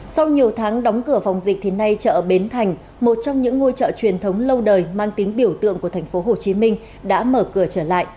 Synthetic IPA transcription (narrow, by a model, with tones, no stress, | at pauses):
sa˧wɲi˨˩əwt̪ʰaː˨˦ŋɗɔ˨˦wŋ͡mkɨ˧˩əfɔ˨˩wŋ͡mzï˨˩k̟̚t̪ʰi˨˩na˧jt͡ɕə̰ː˧˨ɓe˨˦nt̪ʰa˨˩jŋ̟ | mo˨˩t̚t͡ɕɔ˧wŋ͡mɲɨ̰˧˥ŋːo˧jt͡ɕə̰ː˧˨t͡ɕwi˨˩ənt̪ʰə˨˦wŋ͡mlə˧wɗəː˨˩jmaː˧ŋt̪i˨˦ŋɓi˧˩əwt̪ɨ̰˧əŋku˧˩ət̪ʰa˨˩ŋ̟fo˨˦ɦo˨˩t͡ɕi˨˦mï˧ŋ̟ | ɗa̰ː˧˥məː˧˩kɨ˧˩ət͡ɕəː˧˩la̰ː˧˨jʔ